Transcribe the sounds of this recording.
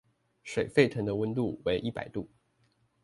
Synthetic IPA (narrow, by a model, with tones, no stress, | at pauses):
ʂwe˨˩ɪfe˥˩ɪt̪ʰɤ˧˥ŋd̪ə˧wə˥nt̪u˥˩we˧˥ɪʔi˥˩pa̰˨˩ɪt̪u˥˩